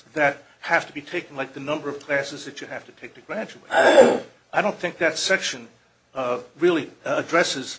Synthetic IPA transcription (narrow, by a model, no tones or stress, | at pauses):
ðɨt̚ | hæftəbitʰeɪkn̩laɪk̚ðɨnʌ̃mbə˞ʌv̥kʰl̥æsɨzðɨt͡ʃɨhæftɨtʰeɪk̚tʰɨɡɹæd͡ʒɨwḛɪt | aɪɾõʊ̃nθɪ̃ŋk̚ðɨtsɛkʃɨ̃n | ɹɪlˠiədɹɛsɨz̥